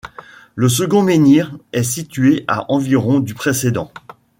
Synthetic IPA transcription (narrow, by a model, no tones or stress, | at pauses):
ləs̬əɡɔ̃meniʁɛsit̪ɥeʔa̰ʔɑ̃viʁɔ̃d̪ypχesed̪ɑ̃